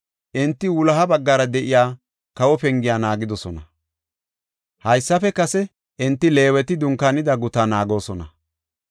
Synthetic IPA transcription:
ʔɪnt̪ːɪwʊlɐɦɐbɐɡːaːɾɐd̪ɛʔɪjaː | kɐwɔpɛŋɡɪjaːnaːɡɪd̪ɔsɔnɐ | hɐjsːɐfɛkɐsɛ | ʔɪnt̪ːɪle̞ːwɛt̪ɪd̪ʊŋkɐnɪd̪ɐɡʊt̪anaːɡo̞ːsɔnɐ

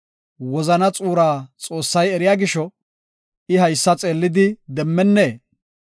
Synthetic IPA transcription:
wɔzɐnɐt͡sʼuːɾaːt͡sʼo̞ːsːɐjɛɾɪjaːɡɪʃɔ | ɪɦɐjsːɐt͡sʼe̞ːlːɪd̪ɪd̪ɛmːɛnːeː

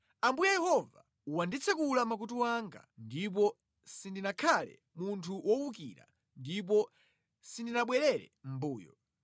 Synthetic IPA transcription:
ambujajɛhɔva̰ | wandit͡sʰɛkulamak̬utuwaŋɡa̰ndip̬ɔ | sindinakʰalɛ̰ | muntʰuwɔwukḭɾa̰ | ndip̬ɔ | sindinaɓwɛɾɛɾɛ̰m̩buːjɔ̰

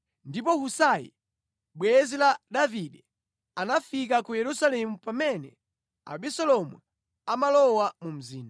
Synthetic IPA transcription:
ndipɔhusajḭ | ɓwɛzilaɗaviɗɛ | anafikakujɛɾusalɛmupamɛnɛ̰ | a̰ɓisɔlɔmwṵ | amalɔwamum̩ziːna

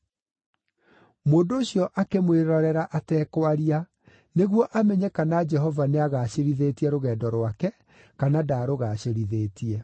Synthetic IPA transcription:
moːndooɕjɔʔakemweɾɔɾɛɾaʔatɛːkwaɾia | neɣwɔʔamɛɲɛkanad͡ʒɛɦɔvaneaɣaːɕeɾiðetiɛɾoɣɛːdɔɾwakɛ | kanadaːɾoɣaɕeɾiðeːtiɛ

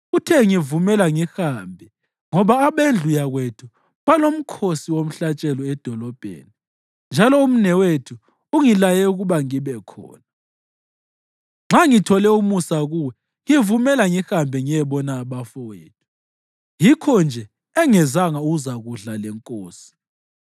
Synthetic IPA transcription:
ɣutʰɛŋivumɛlaŋixaːmbʱɛ | ŋɔβaːβend͡ɮʱujaɣwetʰu | βalom̩kʰosiwom̩ɬat͡ʃʼɛlɔɛd̥ʱɔlɔb̥ʱḛːni | nd͡ʒʱalɔum̩nɛwetʰu | uŋilajɛuɣuβaŋiβɛkʰɔ̰ːna | ŋ͡ǁaŋitʰɔlɛumusaɣuwɛ | ŋivumɛlaŋixambʱɛŋijɛβɔnaːβafɔwḛːtʰu̥ | jikʰɔnd͡ʒʱɛ | ɛŋɛzaŋauɣuzaɣuɮalɛŋkʼoːsi̥

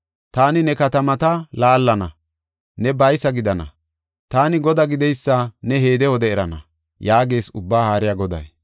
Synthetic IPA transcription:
t̪aːnɪnɛkɐt̪ɐmɐt̪ɐlaːlːɐnɐ̰ | nɛbɐjsɐɡɪd̪ɐnɐ̰ | t̪aːnɪɡɔd̪ɐɡɪd̪ɛjsːɐnɛɦe̞ːd̪ɛwɔd̪ɛɛɾɐnɐ̰ | jaːɡe̞ːsʊbːaːhaːɾɪjaɡɔd̪ɐ̰j

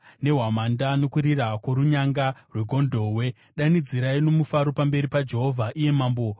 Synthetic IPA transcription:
ne̞ɦwamandano̞kuɾirakwoɾuɲaŋɡarwe̞ɡʱo̞ndʱo̞ɦwe̞ | ɗanid͡ziɾaino̞mufaɾo̞pambe̞ɾipad͡ʒe̞ɦo̞vʱaʔije̞maːmbo̞

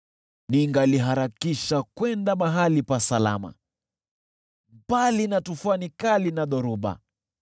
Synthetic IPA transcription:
niŋɡaliɦaɾakiʃakwɛndamaɦalipasala̰ma̰ | balinatufanikalinaɗɔɾuɓa̰

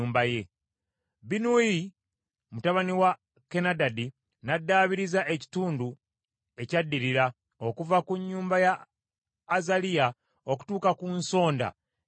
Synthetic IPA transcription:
uːmbaje̞ | binui | mutaβaniwa | kenadadi | nadːaːβiɾizaʔe̞ci̥tuːndu | e̞cadːiɾiɾa | o̞kuvakuɲːuːmbajaː | zalija | o̞ku̥tuːkakunso̞ːnda̰

